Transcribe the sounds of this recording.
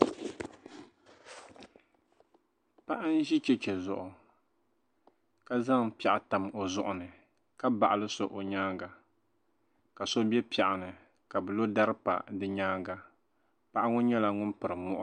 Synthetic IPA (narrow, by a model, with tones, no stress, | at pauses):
pa˦ʔa˦n̩˦ʒi˦t͡ʃɛ˦t͡ʃɛ˨zʊ̰˨ʔʊ˨ | ka˦za˦ŋpi˦ɛ˨ʔa˨ta˨mo˨zʊ˦ʔʊ˨nɨ˨ | ka˦ba˨ʔa˨lɨ˦so˨ʔo˨ɲaː˦ɡa˨ | ka˨so˦bɛ˦pi˨ɛ˨ʔa˨nɨ˨ | ka˨bɨ˨lo˦da˦ɾɨ˦pa̰˨dɨ˦ɲaː˦ɡa˨ | pa˦ʔa˦ŋʊ˦ɲɛ˦la˨ŋʊ˦npɨ˨ɾɨ˨mɔ˦ʔʊ˦